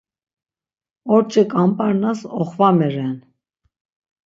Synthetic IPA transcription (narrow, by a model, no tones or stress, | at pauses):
ɔɾt͡ʃʼɛkʼampʼaɾnasɔχvamɛɾɛn